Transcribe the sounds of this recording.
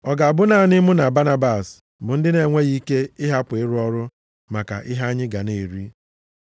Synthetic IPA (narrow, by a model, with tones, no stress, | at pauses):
ɔ˨ɡa˨a˨bʊ˦na˦˨nɪ˦mʊ˦na˨ba˦na˦ba˨s | bʊ˨n̩˦dɪ˦ne˨ŋʷe˦ɣi˦ke˦ɪ˦ɦa˦pɪ˦ɾʊ˦ɔ˦ɾʊ˦ | ma˨ka̰˨ʔɪ˦ɦa˦ɲɪ˦ɡa˨ne˨ɾi˦